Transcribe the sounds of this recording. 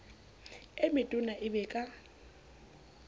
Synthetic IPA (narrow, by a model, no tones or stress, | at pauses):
emɪtʼʊnaʔɪbɛkʼa